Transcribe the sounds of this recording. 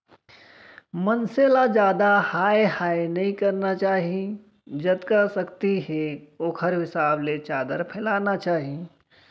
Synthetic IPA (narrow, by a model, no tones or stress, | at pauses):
mɐnselad͡ʒjaːd̪ahaːehaːenɐɦĩkɐɾnat͡ʃaːɦii | d͡ʒɐt̪kasɐkt̪iɦɛoːkʰəɾɦɪsaːblet͡ʃaːd̪əɾpʰɛlaːnat͡ʃaːɦi